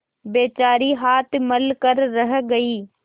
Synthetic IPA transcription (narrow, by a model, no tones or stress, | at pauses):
beːt͡ʃaːɾiɦaːt̪ʰməlkəɾːəɦɡɐiː